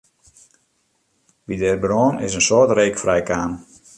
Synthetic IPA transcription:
ʋidɛːrbroːnɪsənsotreːkfrɛjkaːn

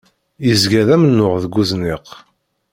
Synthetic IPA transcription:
jizɡæðæmənːʊʁðəɡuznɪq

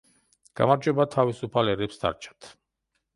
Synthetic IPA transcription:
ɡ̥a̰maɾd͡ʒɛbat̪ʰavisupʰalɛɾɛpsd̪a̰ɾt͡ʃʰḁt̪ʰ

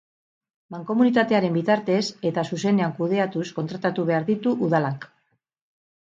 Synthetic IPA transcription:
maŋko̞munit̪at̪e̞aɾe̞mbit̪aɾt̪e̞se̞t̪asus̬e̞ne̞aŋkuðe̞at̪usko̞nt̪ɾat̪at̪uβ̞e̞aɾðit̪uʔuðalak

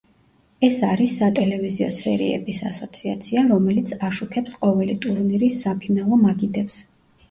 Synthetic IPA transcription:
ɛsaɾisːat̪ʼɛlɛviziɔ̰sɛɾḭɛ̰bisa̰sɔt̪sʰiat̪sʰiaɾɔmɛlit̪sʰaʃukʰɛpsqʼɔvɛlit̪ʼuɾniɾisːapʰinalˠɔmaɡid̪ɛps

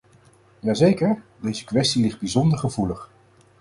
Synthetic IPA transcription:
jaːzejkəɹdejzəkʋɛstilɪχd̚bizɔndəɹχəvuləχ

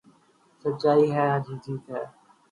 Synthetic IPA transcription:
sətːt͡ʃaːiːɦɛːaːd͡ʒiːd͡ʒiːt̪ɦɛː

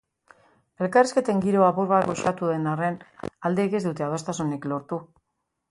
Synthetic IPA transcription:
e̞lkariske̞t̪e̞ŋɡiɾo̞apuɾβatɡoʃat̪uðe̞nare̞nald̪e̞ɣe̞zd̪ut̪e̞aðost̪asuneklo̞ɾt̪u

